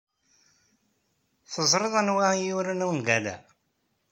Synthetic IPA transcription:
θəzˤɾˤɨðˤænwæjuɾənuwnɡælæ̰

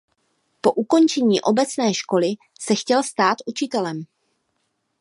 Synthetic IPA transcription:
po̞ʔuko̞nt͡ʃɛɲiːʔo̞bɛt͡snɛːʃko̞lɪ | sɛxcɛlst̪aːt̪ʔut͡ʃɪt̪ɛlɛm

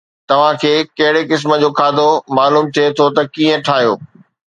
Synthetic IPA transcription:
t̪ɐʋ̤ãkʰeːkɐɦɪɽekɪs̬mə̆d͡ʑoːkʰaːd̪ʱomaːluːmt̪ʰiet̪ʰot̪ɐkiːə̃ʈʰaːɦijo̰ː

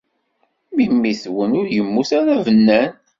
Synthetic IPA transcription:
mimːiθwənʊɾjəmːuθaɾævənːæn

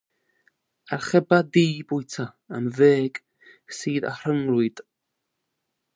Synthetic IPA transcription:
arχɛbadiːbʊjtʰa | amveːɡ̥ | siːða̰hr̥əŋrʊɨd̥

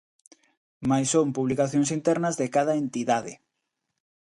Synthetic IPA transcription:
majsompuβlikaθjõŋsint̪ɛɾnɐzðekað̞ɐent̪iðaðɪ̰

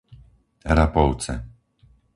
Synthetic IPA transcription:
ɾapɔʊt͡sɛ̰

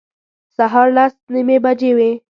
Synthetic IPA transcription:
saɦɑɾlasnimebad͡ʒewe

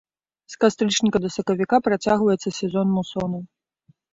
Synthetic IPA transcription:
skast̪ɾɨt͡ʂnʲikɐd̪ɐsɐkɐvʲikapɾat͡sʲaɣvɐjɛt̪sːɐsʲɛzɔnmusɔnɐ

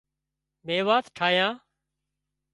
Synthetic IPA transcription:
meːʋaːt̪ʈʰaːɦjãː

